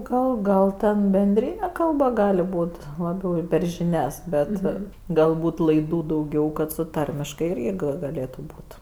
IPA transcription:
ˈɡɐlˠ ˈɡɐlˠ tʲɛn bʲɛnʲˈdʲrʲiːnʲɛ ˈkɐlˠbɐ ˈɡɑːlʲɪ ˈbuːtʲ lˠɐˈbʲɛʊ pʲɛr ʒʲɪˈnʲɛs ˈbʲɛt ɡɐlˠˈbuːt lˠɐɪˈduː dɐʊˈɡʲɛʊ kɐt sʊ ˈtɐrʲmʲɪʃkɐɪ ˈɪrʲɡʲɪ ɡɐˈlʲeːtʊ ˈbuːt

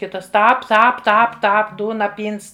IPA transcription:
ˈkʲɪtɐs ˈtɑːp ˈtɑːp ˈtɑːp ˈtɑːp ˈduːnɐ ˈpʲiːns

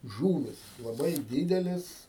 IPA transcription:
ˈʒuːʋʲɪs lˠɐˈbɐɪ ˈdʲiːdʲɛlʲeːs

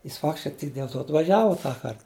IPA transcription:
jɪs ˈfɑːktʲɪʃkɐɪ tʲɪk dʲeːlˠ ˈtoː ɐtʋɐˈʒʲæːʋɐ ˈtɑːkɐrt

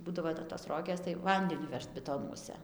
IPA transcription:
ˈbuːdɐʋoː tɐɪ toːs ˈroːɡʲeːs tɐɪ ˈʋɐnʲdʲɛnʲʊ ˈʋʲɛʃt bʲɪˈtoːnuɔsʲɛ

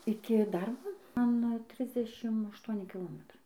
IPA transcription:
ˈɪkʲɪ ˈdɐrboː ˈmɐn ˈtʲrʲɪzʲdʲɛʃʲɪm ɐʃˈtuɔnʲɪ kʲɪˈlˠoːmʲɛtrɐɪ

